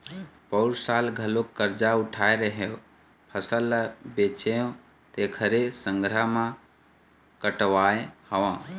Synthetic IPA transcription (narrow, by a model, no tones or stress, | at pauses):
pəɾsaːlɡʱəlokːəɾd͡ʒaʊʈʰaːeɾəɦeõ | pʰəsəlːbet͡ʃeõ | t̪eːkʰəɾesə̃ŋɡʱɾamã | kəʈʋaːjehəʋãː